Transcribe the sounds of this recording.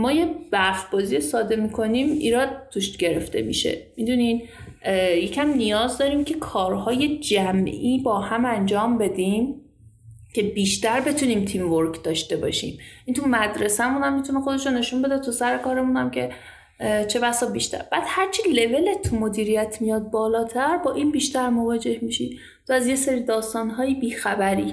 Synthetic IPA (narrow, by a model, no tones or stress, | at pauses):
mɒːjeb̥æfb̥ɒːzijesɒːd̪e̞miːkʰo̞niːmḭːɾɒːd̪̚t̪ʰːuʃt̪ɟe̞ɾe̞ft̪e̞̰mḭʃe̞̰mid̪unin | je̞cʰæmnijɒːzd̪ɒːɾiːmcʰe̞kʰɒːɾhɒːje̞d͡ʒæmʔiːbɒːhæmænd͡ʒɒːmbe̞d̪iːm | cʰe̞biːʃt̪æɾbe̞t̪ʰuniːmt̪ʰimvoɾkʰd̪̥ɒːʃt̪e̞bɒ̰ʃḭːmʔint̪ʰumæd̪ɾe̞sæmunæmːit̪ʰunexod̪eʃone̞ʃunbe̞d̪æt̪ʰusæɾekɒːɾemunæmcʰe̞ | t͡ʃʰe̞væsɒːbiʃt̪æ̰ɾb̥æːd̪̥hæɾt͡ʃʰile̞ve̞let̪ʰːumo̞d̪iːɾijæt̪ʰmijɒːd̪̚bɒːlɒːt̪ʰæɾbɒːʔiːnbiːʃt̪æɾmo̞vɒːd͡ʒe̞hmiʃi | t̪ʰoæzje̞seɾiːd̪ɒːst̪ɒːnɦɒːjebiːxæbæɾḭː